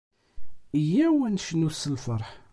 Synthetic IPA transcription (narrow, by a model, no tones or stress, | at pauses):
əjæwænʃnusəlfəɾˤħ